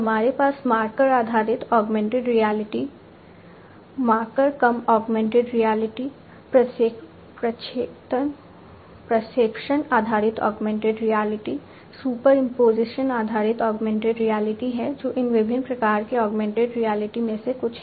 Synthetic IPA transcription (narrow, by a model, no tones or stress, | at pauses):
ɦɐmaːɾepaːsmaːɾkəɾaːd̪ʱaːɾɪt̪ɔːɡmɛ̃ɳʈeɖɾijaːlɪʈi | mãːɾkəɾkɐmɔːɡmɛ̃ːɳʈeɖɾijaːlɪʈi | pɾəs | pɾɐt͡ʃeːt̪ən | pɾɐseːkʃənaːd̪ʱaːɾɪt̪ɔ̰ːɡmɛ̃ːɳʈeɖɾijaːlɪʈi | suːpəɾɪ̃mpoːzɪʃənaːd̪ʱaːɾɪt̪ɔːɡmɛ̃ːɳʈeɖɾijaːlɪʈiɦɛd͡ʒoːʔɪnʋɪbʱɪnpɾɐkaːɾkeɔːɡmɛ̃ːɳʈeɖɾijaːlɪʈimẽsekʊt͡ʃʰ